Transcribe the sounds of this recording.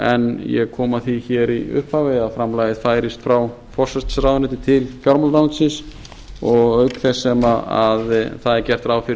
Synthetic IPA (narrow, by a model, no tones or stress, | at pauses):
ɛnjɛɣkʰɔːmaθiçɛːɾiʏ̰hphavejafɾamlaːjɪðfaːjɾɪst̪fɾaw | fɔr̥sɛst̪sɾawðnɪt̪ɪt̪ʰɪlfjaɾmalt̪awnt̪sɪns | ɔɣœɥkθɛsːɛmaaðθaðɛɾcɛr̥t̪ɾawfɪɾɪ